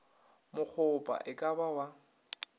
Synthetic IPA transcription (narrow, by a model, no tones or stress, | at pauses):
mʊk͡xʰʊpʼa̰ʔɪkʼabawa